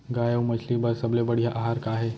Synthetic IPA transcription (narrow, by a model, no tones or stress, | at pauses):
ɡaːjəwmɐt͡ʃʰlibɐɾsɐblebɐɽijaʔaɦaːɾkaɦɛː